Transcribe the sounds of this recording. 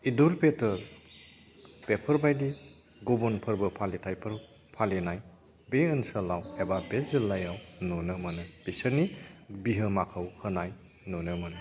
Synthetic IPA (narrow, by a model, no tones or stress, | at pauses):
iduɾpetəɾ | b̥epʰəɾbajdi | ɡɔbɔnpʰɯɾbɯpʰalitʰajpʰɯɾ | pʰalinaj | beɯnsəlawebabezilːajawnɔnɯmanɯb̥isəɾnibiɦɯmakʰawhɯnaj | nɔnɯmanɯ